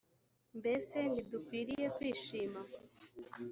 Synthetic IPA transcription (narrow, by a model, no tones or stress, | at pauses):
mbesenidukwiɾijekwiːʃima